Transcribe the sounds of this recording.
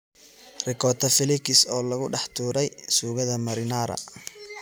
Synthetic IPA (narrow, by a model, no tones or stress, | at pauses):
rɪkʰɔːt̪ʰɐfɪlɪkʰɪsɔːlɐɣʊɖɑħt̪ʰuːɾɛjsuːɣɐðɐmɐɾɪnaːɾɐ̰